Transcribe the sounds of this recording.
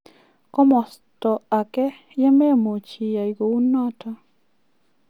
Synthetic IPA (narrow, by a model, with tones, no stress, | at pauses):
kɔ˦mɔ˨stɔ˨a˨kɛ˦ | jɛ˦mɛ˦mo˨t͡ʃi˨ja˨i˨ɡo˨u˦nɔ˦tʰɔ˦